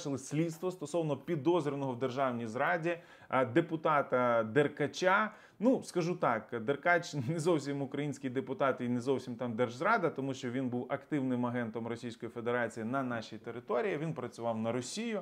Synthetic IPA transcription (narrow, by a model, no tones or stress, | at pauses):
ʃɪlˠɪsʲlʲit̪st̪ʋɔst̪ɔsɔwnɔpʲid̪ɔzɾʲɪnɔɦɔwd̪erʒɑwnʲijzɾɑdʲi | d̪epʊt̪ɑt̪ɐd̪erkɐt͡ʃʲa | nuskɐʒut̪ɑkd̪erkɑt͡ʃnezɔwsʲimʊkɾɐjinʲsʲkʲɪjd̪epʊt̪ɑt̪inezɔwsʲimt̪ɑmd̪ɛrʒzɾɑd̪ɐt̪ɔmuʃt͡ʃɔʋʲinbuwɐkt̪ɪwnɪmɐɦɛnt̪ɔmrɔsʲijsʲkɔjifed̪eɾɑt͡sʲijinɐnɑʃijt̪eɾɪt̪ɔɾʲijiʋʲinpɾɐt͡sʲʊʋɑwnɐɾɔsʲijʊ